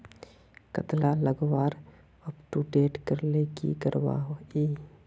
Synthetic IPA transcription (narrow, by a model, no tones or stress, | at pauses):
kət̪laləɡwaːɾ | ɔpʈuʈeːʈkəɾlekḭkəɾwa̰ɦiː